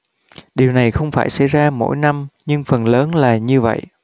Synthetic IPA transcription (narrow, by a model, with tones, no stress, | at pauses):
ɗi˨˩əwna˨˩jxə˧wŋ͡mfaː˧˩jsa̰˧˥jzaː˧mo̰˧˥jna˧mɲɨ˧ŋfə˨˩nləː˨˦nlaː˨˩ɲɨ˧və̰˧˨jʔ